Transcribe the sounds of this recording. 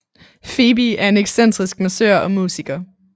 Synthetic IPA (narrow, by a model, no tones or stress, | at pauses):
fe̝ːb̥iæɐe̝neɡ̥sen̰d̥ʁisɡ̥mæsøɐ̰ɒ̽mṵːsiɡ̥ɐ